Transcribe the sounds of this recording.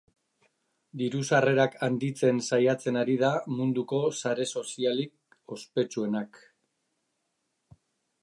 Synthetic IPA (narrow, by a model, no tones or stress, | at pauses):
d̪iɾusare̞ɾakʰand̪it͡se̞nsajat͡se̞naɾið̞amund̪uko̞saɾe̞so̞sialik̚ | o̞spe̞t͡sue̞nak